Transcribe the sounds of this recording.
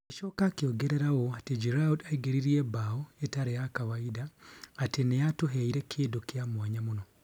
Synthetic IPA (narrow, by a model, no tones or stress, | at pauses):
kiʃokakjoɡeɾeɾaɣoated͡ʒiɾaudaiɡeɾiɾiebaoetaɾejakawaidaːtenejatuɦeiɾekʰiːdokjamwaɲamuno